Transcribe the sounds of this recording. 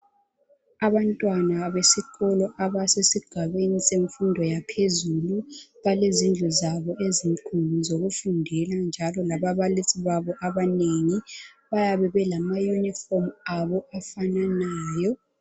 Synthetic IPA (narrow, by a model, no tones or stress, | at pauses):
aβantʼwanaβesiɣɔlɔʔaβasesiɡ̥ʱaβeniseɱfundʱɔjapʰezuluβalezind͡ɮʱɛzaβɔʔeziŋkʰuluzoɣufundʱɛland͡ʒʱalɔlaβaβalisiβaβɔʔaβaneŋiβajaβɛβɛlamajunifɔmaβɔafananaːjɔ